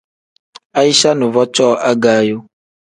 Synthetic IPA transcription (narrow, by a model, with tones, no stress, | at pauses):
a˦ji˦ʃa˦nũ˨vɔ˦t͡ʃɔ˦a˦ɡa˦jo˦